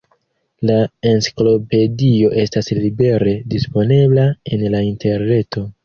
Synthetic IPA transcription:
laensi̥klo̞pe̞dio̞ʔe̞staslibe̞ɾe̞dispo̞ne̞blaenlainte̞ɾne̞to̞

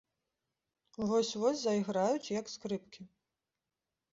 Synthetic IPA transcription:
vɔsʲvɔsʲzɐiɣɾajut͡sʲjɐkskɾɨp̚kʲi

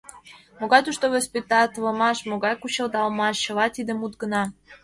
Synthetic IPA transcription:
moɣɑjt̪uʃt̪oɣospʲet̪ɑt̪βə̆mɑʃmoɣɑjkut͡ɕə̆ld̪ɑlmɑʃɕɤ̆lɑt̪id̪ə̆mut̪̚ɡə̆nɑ

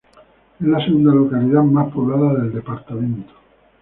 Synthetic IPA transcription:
ezlaseɣund̪alokaliðamahpoβlaðaðe̞ld̪epaɾt̪amẽnt̪o̥

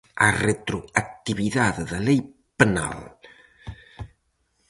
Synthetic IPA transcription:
aret̪ɾoak̚t̪iβiðaðeðalej | pena̰l

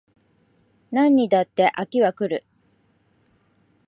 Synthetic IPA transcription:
nãɲ̟ːid̪at̪ːe̞ʔakʲiβakɯ̟ɾɯ̟

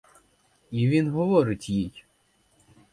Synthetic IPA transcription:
iʋʲinɦɔʋɔɾɪtʲjij

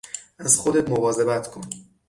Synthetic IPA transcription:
æzxod̪et̪movɒːze̞bæt̪ʰkʰon

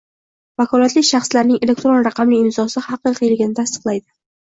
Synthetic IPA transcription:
vakʰɒlˠat̪lɪkʲʃɑχslaɾnɪŋe̞le̞k̚ʲt̪ɾo̞nɾɑqʰɑmliɪnzɒsɪhɑqɨqʰɨjlɡʲɪnɪt̪ʰast̪ɨ̥qlˠajd̪ɪ

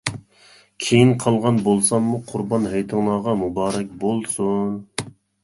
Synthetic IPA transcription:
kʲʰejinqʰɑlˠʁɑnbolˠsɑmːuqʰʊɾbɑnɦejt̪ʰɨŋlˠɑːʁɑmubɑːɾɛkʲbolˠsun

